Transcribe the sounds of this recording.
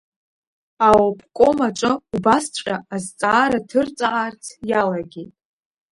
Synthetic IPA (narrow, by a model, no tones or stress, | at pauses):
awopʰʼkʷʼomaʈ͡ʂʷʼɨubast͡ɕʷʼqʲʼaazt͡sʼaːɾatʰɨrt͡sʼaart͡sʰjalaɡʲetʼ